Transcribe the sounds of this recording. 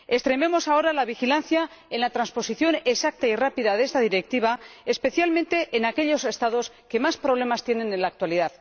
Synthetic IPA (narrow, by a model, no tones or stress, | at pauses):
e̞st̪ɾe̞me̞mo̞sao̞ɾalaβ̞ixilanθja | enlat̪ɾanspo̞siθjo̞nesak̚t̪airapiðaðeest̪aðiɾek̚t̪iβ̞aespe̞θjalmẽnt̪e̞ʔːnake̞ʎo̞se̞st̪aðo̞s | ke̞maspɾoβ̞le̞mast̪je̞ne̞nẽ̞nlak̚t̪waliðað